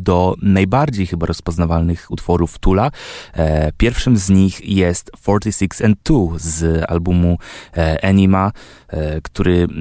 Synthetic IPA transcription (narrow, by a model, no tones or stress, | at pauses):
d̪ɔnajbaɾd͡ʑejxɘbaɾɔspɔznavalnɘxut̪fɔɾuft̪ula | pʲjɛɾfʂɘmzɲixjɛst̪fɔɾt̪ʲisʲiksɛnt̪t̪ːuza̰lbumuʔɛɲima | kt̪uɾɘ